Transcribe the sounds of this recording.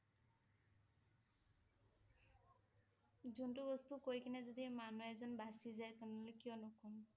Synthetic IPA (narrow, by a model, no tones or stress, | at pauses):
zunʈubɔst̪ukojkinɛzod̪imanuɛzɔnbasizajt̪ɔnɔlekijɔnɔkɔm